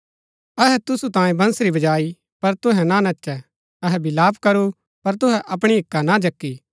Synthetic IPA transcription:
ɐɦɛt̪ʊsut̪ãːjẽbɐ̃nsɾibɐd͡ʒaːi | pɐɾt̪ʊɦɛnanɐʃɛ | ɐɦɛbɪlaːpkɐɾu | pɐɾt̪ʊɦɛʔɐp̬ɽ̃iɦɪkːanad͡ʒɐkːiː

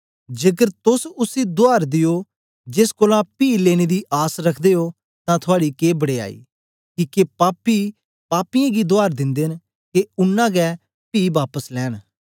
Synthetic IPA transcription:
d͡ʒekəɾt̪ʊsʊsid̪ʊaːɾd̪ɪjoː | d͡ʒeskoːlãːpiːleːɽ̃eːd̪iːʔaːsɾəkʰd̪eːoː | t̪ãːt̪ʰʊaːɽiːkeːbəɽeːa̰ːḭː | kiːkepaːpiː | paːpɪjãːɡid̪ʊaːɾd̪ɪ̃nd̪eːn | keʊnːãːɡɛː | piːbaːpəslɛːɽ

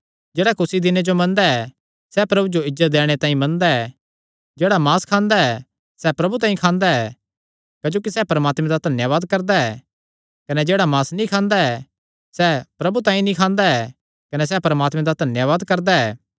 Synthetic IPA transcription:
d͡ʒeːɽakʊsid̪ɪned͡ʒomɐ̃nd̪aɛ | sɛːpɾɐbud͡ʒoɪd͡ʒzːət̪̚d̪ɛːɽ̃et̪ãːĩmɐnd̪aɛː | d͡ʒeːɽamaːskʰãːnd̪aɛː | sɛːpɾɐbut̪aːĩkʰãːnd̪aɛ | kaːd͡ʒoːkisɛːpɐɾəmaːt̪mẽd̪ad̪ʱɐnjəʋaːd̪kɐɾd̪aɛː | kɐnɛd͡ʒeːɽamaːsnĩkʰãːnd̪aɛ | sɛːpɾɐbut̪ãːĩnĩkʰãːnd̪aɛː | kɐnɛs̬ɛːpɐɾəmaːt̪mẽd̪ad̪ʱɐnjəʋaːd̪kɐɾd̪aɛː

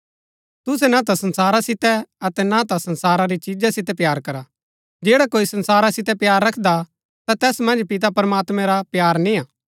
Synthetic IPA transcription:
t̪ʊs̬ɛnat̪asɐnsaːɾasɪt̪ɛɐt̪ɛnat̪asɐnsaːɾaɾit͡ʃid͡ʒasɪt̪ɛpjaːɾkɐɾa | d͡ʒeːɽakoːisɐ̃nsaːɾasɪt̪ɛpjaːɾːɐkʰd̪a | t̪at̪ɛːsmɐ̃nd͡ʒpɪt̪̬apɾɐmaːt̪mɛ̃ɾapjaːɾnĩaː

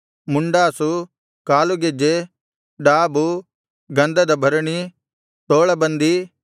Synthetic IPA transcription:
muɳɖaːsu | kaːluɡed͡ʒe | ɖaːbu | ɡɐnd̪ɐd̪ɐbʱɐɾɐɳi | t̪oːɭɐbɐnd̪i

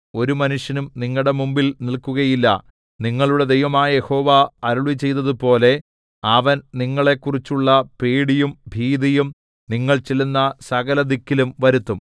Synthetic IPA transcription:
o̞ɾumɐnuʂjɐnumniŋːɐɭɽe̞mumbilnilkuɣɐjilːɐ̰ | niŋːɐɭuɽe̞d̪e̞jʋɐmaːjɐje̞ho̞ːʋaɐɾuɭʋit͡ɕe̞jt̪ːɐðupo̞ːle̞ | ɐʋɐnniŋːɐɭe̞kːurit͡ɕːuɭːɐpeːɽijumbʱiːd̪ijum | niŋːɐɭt͡ɕelːunːɐsɐɣɐlɐd̪ikːilumʋɐɾut̪ːum

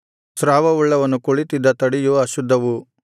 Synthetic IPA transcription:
sɾaːʋɐuɭːɐʋɐnːukuɭit̪id̪ːɐt̪ɐɽijuɐʃud̪ʱːɐʋu

